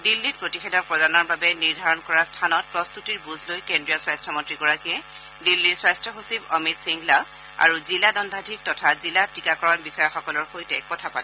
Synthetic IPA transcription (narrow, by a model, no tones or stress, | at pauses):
dilːit̚pɹotixɛdɔɹpɹɔdanɔɹbabɛniɹdʱaɹɔnkɔɹastʰanɔt̚pɹɔst̪utiɹbuzʱlojkendɹiɔswajstʰɔmɔntɹiɡɔɹakiɛ | dilːiɹswajstʰɔxosibɔmitsiŋɡla | a̰ɹuziladɔndʱadʱik̚tɔtʰazilatikakɔɹɔnbixɔjaxɔkɔlɔɹxojtɛkɔtʰapatɛ